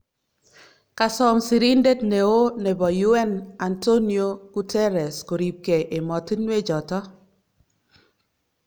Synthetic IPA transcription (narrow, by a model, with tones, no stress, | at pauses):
ka˨sɔ˦˨msi˨ɾi˦nde˦tne˨o˦ne˨bɔ˨ju˦ɛ˦na˨nto˦ni˦o˦ɡ̥u˦tɛ˦ɾɛ˨sko˨ɾi˨p̚ke˨ʔe˨mɔ˨ti˦nwe˦d͡ʒɔ˨tɔ˦